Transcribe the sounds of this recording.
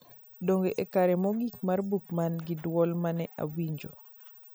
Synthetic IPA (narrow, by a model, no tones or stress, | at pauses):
doŋɡeʔekaɾɛmɔɡikmarbukmanɡɪdwɔlmanɛʔa̰wiɲd͡ʒo